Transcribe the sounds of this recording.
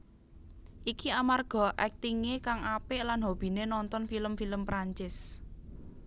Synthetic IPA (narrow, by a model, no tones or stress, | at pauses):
ʔikiamarɡ̥ɔ̤ʔɛk̚t̪iŋekaŋʔapɪʔlanɦob̥i̤nenɔnt̪ɔnfiləmfiləmpɾaɲt͡ʃɪs